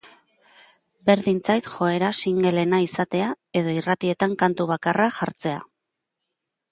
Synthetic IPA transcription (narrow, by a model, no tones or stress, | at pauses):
be̞ɾðint͡sajt̪xo̞e̞ɾasiŋɡe̞le̞naisat̪e̞a | e̞ð̞o̞irat̪ie̞t̪aŋkant̪uβ̞akaraʝaɾt͡se̞a̰